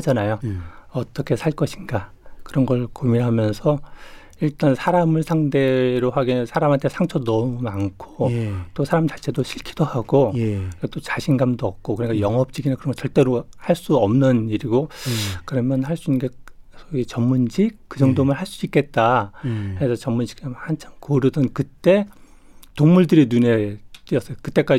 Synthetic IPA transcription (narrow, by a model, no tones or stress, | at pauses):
had͡ʑanajoʌt͈ʌkʰe̞sʰaɭk͈ʌɕʰinɡa | kɯɾʌnɡʌɭkomiɾɦamjʌnsʰʌ | iɭt͈ansʰaɾamɯɭsʰaŋde̞ɾoɦaɡinɯnsʰaɾamantʰe̞sʰaŋt͡ɕʰʌnʌmumankʰot͈osʰaɾamt͡ɕat͡ɕʰe̞doɕʰiɭkʰid̥ohaɡojkʌt͈ot͡ɕaɕʰinɡamdoʌp̚k͈okɯɲik͈ajʌŋɦʌp̚t͡ɕ͈iɡinankɯɾʌŋɡʌt͡ɕʌɭt͈e̞ɾohaɭs͈uʌmnɯniɾiɡokɯɾʌmjʌnhaɭs͈uinɡe̞sʰʌɡit͡ɕʌmmund͡ʑik̚kːɯd͡ʑʌŋdomɯɭhaɭs͈uik͈e̞t̚t͈akɾesʰʌt͡ɕʌmmund͡ʑi̥kʰamant͡ɕʰaŋkoɾʌdʌnkɯt͈e̞ | toŋmuɭdɯɾinune̞t͈iʌs͈ʌjokɯt͈e̞k͈a